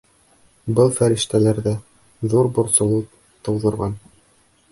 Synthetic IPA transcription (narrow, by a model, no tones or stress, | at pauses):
bɤlˠfæɾɘ̆ʃt̪ælæɾðæ | ðuɾbŭɾsɤ̆lˠu | t̪ɤ̆wðɤ̆ɾʁɑn